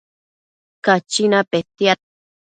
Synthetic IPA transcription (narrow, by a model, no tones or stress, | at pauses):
kat͡ʃinapet̪ja